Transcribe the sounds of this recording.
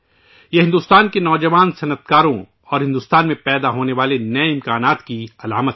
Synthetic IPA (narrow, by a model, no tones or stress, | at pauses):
jeɦɪ̃nd̪uːst̪aːnkenɔːd͡ʒɐʋaːnsɐnət̪kaːɾõ | ɔːɾɦɪ̃nd̪uːst̪aːnmẽpɛːd̪aɦoːneʋaːlenɐɛɪ̃mkaːnaːt̪kiɐlaːmət̪